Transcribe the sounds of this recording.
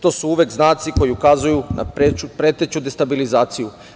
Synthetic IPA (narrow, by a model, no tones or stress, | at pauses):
t̪o̞suuʋjekznaːt̪siko̞jiukazujuna̰eupɾe̞t̪et͡ɕud̪est̪abilizaːt̪siju